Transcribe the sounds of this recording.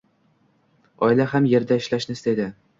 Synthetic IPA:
ɒɪlahamje̞ɾd̪aɪʃlaʃnɪɪst̪ed̪ɪ

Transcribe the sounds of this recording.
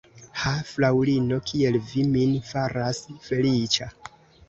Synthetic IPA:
haflawlino̞kʰie̞lviminfaɾasfe̞lit͡ʃa

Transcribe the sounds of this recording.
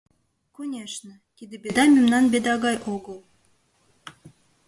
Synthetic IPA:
konʲeʃnə̆t̪id̪ebʲed̪ɑmʲimnɑnbʲed̪ɑɣɑjʔoɣəlˠ

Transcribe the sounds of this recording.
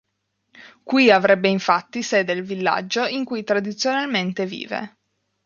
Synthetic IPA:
kwiavɾɛbːeiɱfat̪ːised̪elvilːa̰d͡ʒːoiŋkujt̪ɾad̪it̪sːjonalment̪evḭːvḛ

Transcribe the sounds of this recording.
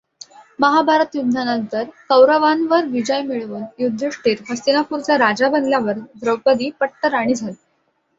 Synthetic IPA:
məɦabʱaɾət̪jud̪ʱnanənt̪əɾkəwɾəʋanʋəɾʋid͡ʑəjmiɭuːnjud̪ʱːəʂʈiːɾɦəsinapuɾt͡ɕjaɾad͡ʑabənljaʋəɾd̪ɾəwpəd̪iːpəʈʈ̪əɾaɽ̃id͡zʱal

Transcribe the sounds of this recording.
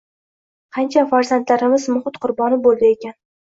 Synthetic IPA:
qʰɑnt͡ʃʰafaɾzant̪laɾɪmɪzmʊhɪt̪qʰʊɾbɒnɪbolˠd̪ɪekʲan

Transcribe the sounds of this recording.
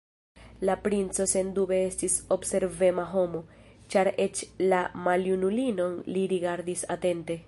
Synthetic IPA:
lapɾint͡so̞se̞ndube̞estiso̞bse̞ɾve̞maɦo̞mo̞ | t͡ʃaɾe̞t͡ʃlamaljunulino̞nliɾiɡaɾdisate̞nte̞

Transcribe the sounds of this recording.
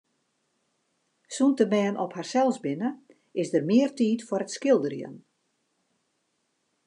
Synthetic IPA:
suntəmɛːnʔɔpharsɛlˠsbɪnə | ʔɪsdərmɪərtiːtfəɾətskɪlˠdərjə̰n

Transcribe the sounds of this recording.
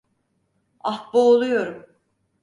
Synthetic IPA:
ahboolˠujo̞ɾum

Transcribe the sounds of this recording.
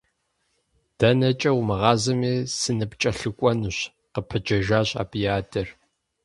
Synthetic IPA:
d̥ɐnɐt͡ʃʼɐwmɐʁɑːzɐmiːsɨnɨpt͡ʃʼɐɬɨkʷʼɔnɨɕ | qəpʰɨd͡ʒɐʒaːɕa̰ːpʰʼijaːdʰʼɐr

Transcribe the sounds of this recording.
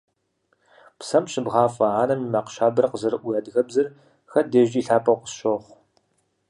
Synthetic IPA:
psɐmɕɪbʁɑːfɐʕaːnɐmimaːqʃaːbɐrɐqəzɐɾɨʔʷʊjaːdɣɐbzɐr | xɐdɐʒʼiːɬaːpʰʼɐqʷʊ̥sʃoχʷ

